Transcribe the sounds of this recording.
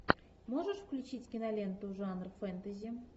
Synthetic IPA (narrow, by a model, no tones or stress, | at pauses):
moʐəʂfklʲut͡ɕitʲkʲinɐlʲent̪uʐɑnrfɛnt̪əzʲi